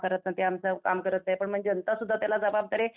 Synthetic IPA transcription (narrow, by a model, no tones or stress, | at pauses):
kəɾət̪̚nat̪eamsəkamkəɾət̪najpəɳm̤əɳd͡ʑeənt̪asud̪ʱːat̪jalad͡zəbab̚d̪əɾe